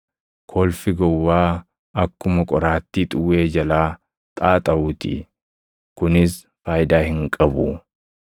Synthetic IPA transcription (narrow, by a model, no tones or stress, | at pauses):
kʰoːlfɪɡɔwːaː | ɐkːʊmɐkʼɔɾaːt̪ːiːt̪ʼʊwːeːd͡ʒɐlaː | t̪ʼaːt̪ʼɐʔuːt̪ɪ̰ | kʊnɪs | faːjɪd̪aːhɪŋkʼɐbʊ̰